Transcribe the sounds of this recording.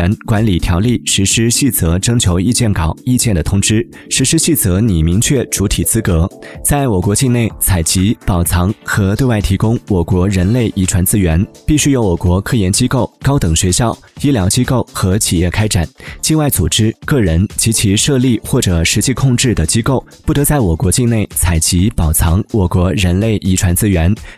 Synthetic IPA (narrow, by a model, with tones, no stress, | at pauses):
nkwa˧˥nli˨˩t̪ʰjɑ˧˥ʊli˥˩ʂɻ̩˧˥ʂɻ̩˥ɕi˥˩t͡sɤ˧˥ʈ͡ʂɤ˥ŋt͡ɕʰjo˧˥ʊi˥˧t͡ɕjɛ˥˩nkɑ˨˩˦ʊi˥˧t͡ɕjɛ˥˩nd̪ə˩t̪ʰʊ˥ŋʈ͡ʂɻ̩˥ | ʂɻ̩˧˥ʂɻ̩˥ɕi˥˩t͡sɤ˧˥ni˨˩mi˧˥ŋt͡ɕʰɥɛ˥˩ʈ͡ʂu˧˥t̪ʰi˨˩t͡sɹ̩˥kɤ˧˥ | t͡sa˥˩ɪwɔ˨˩kwɔ˧˥t͡ɕi˥˧nne˥˩ɪt͡sʰa˨˩ɪt͡ɕi˧˥pɑ˨˩ʊt͡sʰɑ˧˥ŋxɤ˧˥t̪we˥˧wa˥˩ɪt̪ʰi˧˥kʊ˥ŋwɔ˨˩kwɔ˧˥ɻə˧˥nle˥˩ɪʔi˧˥ʈ͡ʂʰwa˧˥nt͡sɹ̩˥ɥɛ˧˥npi˥˩ɕy˥jo˧˥ʊwɔ˨˩kwɔ˧˥kʰɤ˥˩jɛ˧˥nt͡ɕi˥ko˥˩ʊkɑ˥ʊt̪ɤ˨˩ŋɕɥɛ˧˥ɕjɑ˥˩ʊi˥ljɑ˧˥ʊt͡ɕi˥ko˥˩ʊxɤ˧˥t͡ɕʰi˨˩jɛ˥˩kʰa˥ɪʈ͡ʂa˨˩˦nt͡ɕi˥˧ŋwa˥˩ɪt͡su˨˩ʈ͡ʂɻ̩˥kɤ˥˩ɻə˧˥nt͡ɕi˧˥t͡ɕʰi˧˥ʂɤ˥˧li˥˩xwɔ˥˩ʈ͡ʂɤ˨˩ʂɻ̩˧˥t͡ɕi˥˧kʰʊ˥˧ŋʈ͡ʂɻ̩˥˩d̪ə˩t͡ɕi˥ko˥˩ʊpu˥˩t̪ɤ˧˥t͡sa˥˩ɪwɔ˨˩kwɔ˧˥t͡ɕi˥˧ŋne˥˩ɪt͡sʰa˨˩ɪt͡ɕi˧˥pɑ˨˩ʊt͡sʰɑ˧˥ŋwɔ˨˩kwɔ˧˥ɻə˧˥nle˥˩ɪʔi˧˥ʈ͡ʂʰwa˧˥nt͡sɹ̩˥ɥɛ˧˥n